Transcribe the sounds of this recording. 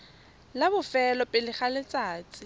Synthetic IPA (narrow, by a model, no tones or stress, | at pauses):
labʊfɛlɔpʼɪlɪχalɪt͡sʼaːt͡sʼɪ